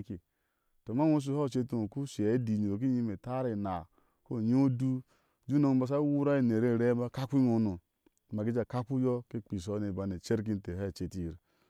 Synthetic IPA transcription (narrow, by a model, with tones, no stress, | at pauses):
ki˨ | to˨ma˦o˦s̬u˦ho˦˨t͡ʃe˦tu˨ku˦si˨e˨˦di˨ɲi˨ɾo˨k̬i˦ɲi˦me˨ta˦ɾi˨na˨ | ko˦˨ɲ˦o˦du˦ | d͡ʒu˦no˦ŋ˦ba˨˦s̬a˦wu˦ɾa˦i˦˨ne˨ɾe˦˨ɾe˦ma˦˨ka˦kʷi˦ŋo˨nu˨ | m˨a˨ki˦d͡ʒa˨ka˦ku˦jo˦ke˦k͡pi˨s̬o˦ne˨ba˨ne˨t͡ʃe˦ɾk̬i˦n̩˦te˨ht͡ʃe˨ti˨ɾi˨